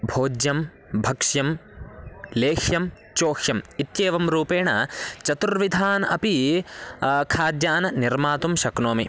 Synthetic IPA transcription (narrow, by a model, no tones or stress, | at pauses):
bʱoːd͡ʒjɐm | bʱɐkʂjɐm | leːxjɐm | t͡ʃoːxjɐmit̪jeːʋɐmɾuːpeːɳɐt͡ʃɐt̪uɾʋid̪ʱaːnɐ̰pi | kʰaːd̪jaːnɐniɾmaːt̪umʃɐknoːmi